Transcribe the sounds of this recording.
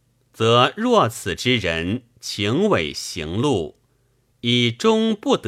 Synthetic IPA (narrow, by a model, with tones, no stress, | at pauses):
t͡sɤ˧˥ɻwɔ˥˩t͡sʰɹ̩˨˩ʈ͡ʂɻ̩˥ɻə˧˥n | t͡ɕʰi˧˥ŋwe˨˩ɪɕi˧˥ŋlu˥˩ | i˨˩ʈ͡ʂʊ˥ŋpu˥˩t̪